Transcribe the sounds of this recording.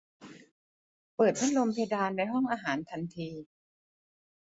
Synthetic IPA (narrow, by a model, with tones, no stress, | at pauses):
pɤː˨˩t̪̚pʰa˦˥˩lo˧mpʰe˧jdaː˧nda˧jɦɔ˥˩ŋʔaː˧ɦaː˩˦nt̪ʰa˧nt̪ʰiː˧